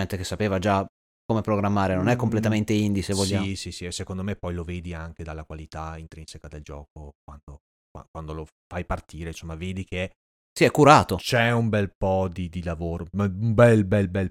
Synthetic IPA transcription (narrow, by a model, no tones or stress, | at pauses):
ɛnt̪ekesːapeːvad͡ʒa | komepɾoɡɾamːaːɾenonɛkːomplet̪ament̪eind̪isevvoʎːaisisiɛsːekond̪omepɔjloveːd̪iaŋk̟ed̪alːakwalit̪aint̪ɾinsekad̪eld͡ʒɔːkokwand̪o | kwa̰kwand̪olo | fajpart̪iːɾeinsomːaveːd̪ike | siɛkːuɾaːt̪ot͡ʃɛumbɛlpɔd̪id̪ilavoːɾoumbɛlbɛlbɛl